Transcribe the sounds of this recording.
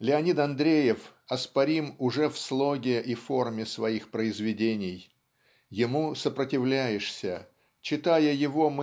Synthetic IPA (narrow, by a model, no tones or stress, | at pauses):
lʲɪɐnʲit̪ɐnd̪ɾʲejɪfɐspɐɾʲimʊʐɛfslˠo̞ɡʲɪʔifo̞rmʲɪsvɐixpɾəɪzvʲɪdʲenʲɪj | jɪmusəpɾətʲɪvlʲæjɪʂsʲə | t͡ɕɪt̪ajəjɪvo̞m